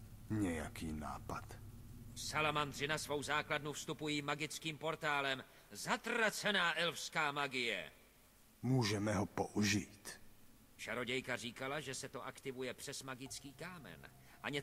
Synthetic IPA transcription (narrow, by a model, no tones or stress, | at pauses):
ɲɛjakiːna̰ːpat̪salamand̪r̝ɪnasvo̞wzaːkladnufst̪upujiːmaɡɪt͡skiːmpo̞ɾt̪aːlɛm | zat̪rat͡sɛnaːʔɛlfskaːmaɡɪjɛ̰ | muːʒɛmɛɦopoʔuʒit̪ | ʃaɾo̞ɟɛjkariːkalaʒɛsɛt̪o̞ʔakt̪ɪvujɛpr̥ɛsmaɡɪt͡skiːkaːmɛ̰n | ʔaɲɛ